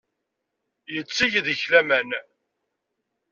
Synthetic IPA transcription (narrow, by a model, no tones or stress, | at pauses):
jət͡sːiʝðəçlæmæn